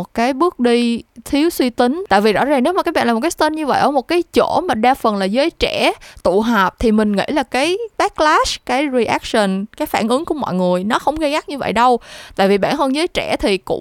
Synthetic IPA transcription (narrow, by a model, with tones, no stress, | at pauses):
o˨˩t̚kaː˨˦jɓɨ˦˥ək̚ɗi˧t̪ʰi˨˦əwswi˧t̪ï˨˦ŋ̟t̪a̰ː˧˨jvi˨˩zɔ̰˧˥zaː˨˩ŋne˨˦wmaː˨˩k̚ːɓa̰ː˧˨l̚ːkaː˨˦t̪e˧nɲɨ˧və̰˧˨jʔəː˧˩mo˨˩t̚kaː˨˦jt͡ɕo˧˩ma˨˩ɗaː˧fə˨˩nlaː˨˩zəː˨˦jt͡ɕɛ˧˩t̪u˧˨ɦəː˨˩p̚t̪ʰi˨˩mï˨˩ŋ̟ŋḭ˧˥laː˨˩kaː˨˦jɓaː˦˥k̚laː˦˥skaː˨˦jzi˨˩ʔɛ˦˥k̚sə˨˩nkaː˨˦jfaː˧˩nʔɨ˨˦ŋku˧˩əmɔ̰˧˨jŋɨ˨˩əjnɔ˨˦xə˧wŋ͡mɣə˧jɣa˦˥k̚ɲɨ˧və̰˧˨jɗə˧wt̪a̰ː˧˨jvi˨˩ɓa̰ː˧˩nhəː˧nzəː˨˦jt͡ɕɛ˧˩t̪ʰi˨˩kʊ̰˧˥ŋ͡m